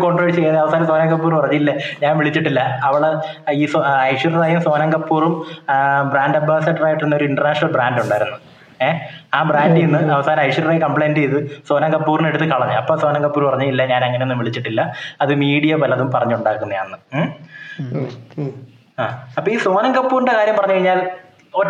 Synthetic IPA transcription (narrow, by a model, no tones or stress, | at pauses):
koɳʈroːɭt͡ɕejːaðɐʋɐsaːɾɐmsoːnɐŋɡɐp̬ːuːrpɐrɐɲːuilːɐɲaːnʋiɭit͡ɕːiʈːilːɐːʋiɭe | iːsoɐjʂurɐðaːjumso̞ːnɐŋɡɐpːuːrum | braːnɖɐbʱaːsɐʈːraːjiʈːenːo̞ɾuiɳɖɐrnaːʂnɐlbraːnɖuɳɖaːjiɾunːu | eaːbraːndɨenːɨʔɐʋɐsaːɾɐmɐjʂurɐrejkɐmpɭejndejðɨso̞ːnɐŋɡɐpːuːrineɽut̪ːɨkɐɭɐɲːɨɐpːo̞ːso̞ːnɐŋɡɐpːuːɾpɐrɐɲːɨilːɐɲaːneŋːɐneonːɨmʋiɭit͡ɕːiʈːilːɐɐðɨmiːɽijɐpɐlɐðumpɐrɐɲːuɳɖaːkːunːɐjaːnːɨ | aːɐpːoːiːso̞ːnɐŋɡɐpːuːrɨɳɖekaːɾjɐmpɐrɐɲːukɐɻiɲːaːl | o